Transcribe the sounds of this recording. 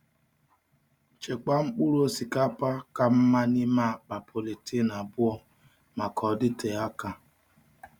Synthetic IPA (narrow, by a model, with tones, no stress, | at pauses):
t͡ʃe˨k͡pa˦ŋ͡m̩˦k͡pu˦ɾu˦o˦si˨ka˦pa˦ka˨m̩˦ma˦nɪ˦ma˦˨k͡pa˨pʰo˨le˨tʰɪ˦na˨bʊ˦ɔ˦ | ma˨kʰɔ˨dɪ˦tʰe˨a˦ka˦